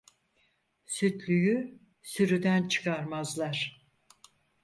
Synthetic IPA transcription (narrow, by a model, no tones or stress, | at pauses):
syt̪lʲyjy | syɾyd̪ænt͡ʃʰɯ̥kʰaɾmazlˠaɾ̥